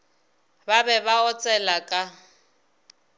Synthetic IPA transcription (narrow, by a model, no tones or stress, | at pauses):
babɛβaɔt͡sʼɛlakʼa